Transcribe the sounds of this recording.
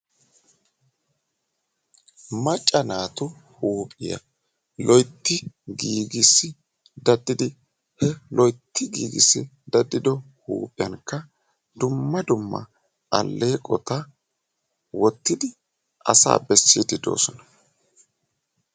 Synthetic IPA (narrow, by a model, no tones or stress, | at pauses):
mɐt͡ʃʼːɐnaːt̪ʊhuːpʼɪjɐ̰ | lɔjt̪ːɪɡiːɡɪsːɪ | d̪ɐd̪ːɪd̪ɪ | hɛlɔjt̪ʰːɪɡḭːɡɪ̰sːɪ̰ | d̪ɐd̪ːɪd̪ɔ | hṵːpʼɪjɐnkːɐ | d̪ʊmːɐd̪ʊmːɐ̰ | ɐ̰lːe̞ːkʼɔt̪ɐ | wɔt̪ːɪd̪ɪ | ʔɐ̰sa̰ːbɛsːid̪ɪd̪o̞̰ːsɔnɐ̥